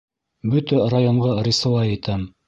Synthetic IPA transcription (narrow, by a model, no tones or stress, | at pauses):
bɵt̪ærajoɴʁɑɾɪsŏwɑjit̪æm